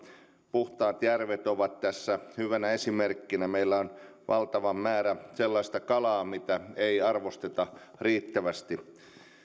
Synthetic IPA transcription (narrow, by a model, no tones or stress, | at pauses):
puht̪ɑːt̪jærʋet̪oʋɑt̪t̪æsːæhyʋænæesimerkːinæmeilːæon | ʋʔɑlt̪ɑʋɑmmæːɾæselːɑist̪ɑkɑlɑːmit̪æeiɑrʋost̪et̪ɑriːt̪ːæʋæst̪i